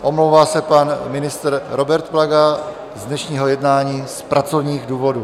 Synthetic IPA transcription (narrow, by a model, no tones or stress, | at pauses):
ʔo̞mlowvaːsɛpanmɪnɪst̪ɾɾo̞bɛɾt̪vlaɡa | zdnɛʃɲiːɦo̞jɛdnaːɲiːspɾʔat͡sovɲiːɣduːvo̞duː